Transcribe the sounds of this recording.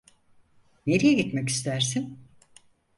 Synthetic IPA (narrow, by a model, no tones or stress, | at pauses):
neɾijɛɟit̪mɛci̥st̪ʰæɾsin